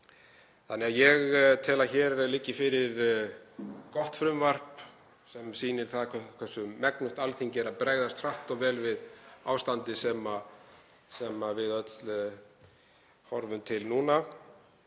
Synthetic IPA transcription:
θanːɛaðjɛɣt̪ʰɛːlaçɛːɾlɪcːɪfɪɾɪɾ | kɔht̪fɾʏmvar̥p | sɛmsiːnɪɾ̥θaðʰkʰɛsːʏmːɛknʏht̪alθiɲcɪɛɾaðpɾeːjɣðast̪r̥aht̪ɔɣvɛːlvɪða̰ːwst̪ant̪ɪsɛma | sɛmavɪðœt̪l | hɔɾvʏmt̪ʰɪlnuːna

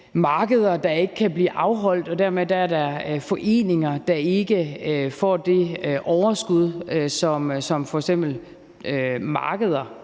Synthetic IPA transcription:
mɑ̈ːɡ̥əð̞ˠɐd̥ɑ̈e̝ɡ̥əkʰæb̥lḭːʔɑ̈ʊɦɒ̽l̰d̥ɒ̽d̥æɐmed̥ææɐd̥ɑfɒ̽ʔe̝̰ːne̝ŋɐd̥ɑ̈e̝ɡ̥əfɒ̰ːd̥e̝ʔɒʊɐsɡ̥uð̞ˠøsɒ̽msɒ̽mfɒ̽eɡ̥sem̰b̥l̩ | ømɑ̈ːɡ̥əð̞ˠɐ

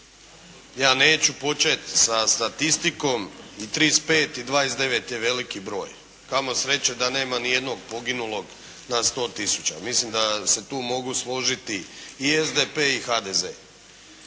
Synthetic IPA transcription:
jaːne̞ːt͡ɕupo̞t͡ɕet̪ʲsast̪at̪ist̪iko̞mit̪ɾispeːt̪id̪ʋaːjesd̪e̞ʋe̞t̪je̞ʋe̞likibɾo̞ːj | kamosɾe̞t͡ɕed̪ane̞ːmanije̞d̪no̞ɡ̚po̞ɡinulˠo̞ɡ | nast̪o̞ːt̪isu̥t͡ɕa̰mislimd̪ase̞t̪uːmo̞ɡuslˠo̞ʒit̪iiezd̪epeːixad̪ezḛ

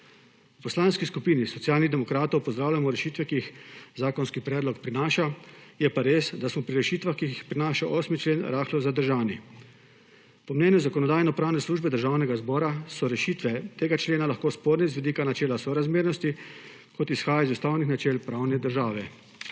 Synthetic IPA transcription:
upɔslaːnskiskupiːnisɔt̪sjaːlniɣd̪ɛmɔkɾaːt̪ɔwpɔzd̪ɾaːwlʲamɔɾɛʃiːt̪ʋɛkiixzaːkɔnskipɾɛːd̪lɔkpɾinaːʃajɛpaɾeːsd̪asmɔpɾiɾɛʃiːt̪ʋaxkiixpɾinaːʃaʔɔːsmit͡ʃleːnɾʔaːxlɔwzad̪əɾʒaːni | pɔmnɛːnjuzakɔnɔd̪aːjnɔpɾaːwnɛsluːʒbɛd̪əɾʒaːwnɛɡazbɔːɾasɔɾɛʃiːt̪ʋɛt̪eːɡat͡ʃleːnalaxkoːspoːɾnɛzʋɛd̪iːkanat͡ʃɛːlasɔɾazmeːɾnɔst̪i | kɔt̪isxaːjaizust̪awnixnat͡ʃɛːlpɾawnɛd̪əɾʒaːʋɛ

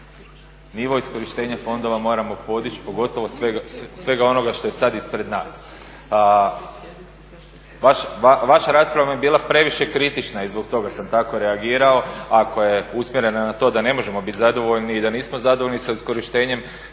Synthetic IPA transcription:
niʋo̞isko̞ɾiʃt̪e̞ːɲafo̞nd̪o̞ʋamo̞ːɾamo̞po̞d̪it͡ʃi̥po̞ɡo̞t̪o̞ʋo̞sʋeɡsʋe̞ɡao̞no̞ɡaʃt̪o̞jesad̪ispɾe̞d̪naːs | ʋaʃaʋaʃaɾaːspɾaʋajebiːlˠapɾe̞ʋiʃe̞kɾit̪it͡ʃnaizbo̞kt̪o̞ɡasamt̪ako̞ɾe̞aɡiːɾao̞akʰo̞je̞usmʲjeɾe̞nanat̪o̞d̪ane̞mo̞ʒe̞mo̞bit̪zad̪o̞ʋo̞ʎniːd̪aniːsmo̞zad̪oʋoʎnisaisko̞ɾiʃt̪e̞ːɲe̞m

